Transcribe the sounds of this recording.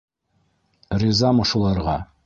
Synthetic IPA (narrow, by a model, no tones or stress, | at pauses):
rizɑmoʃulˠɑɾʁɑ